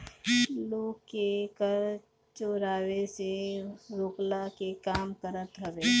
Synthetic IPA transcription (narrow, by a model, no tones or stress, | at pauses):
loːɡkekəɾ | t͡ʃoːɾaːweseɾoːklakekaːmkəɾət̪ɦɐʋeː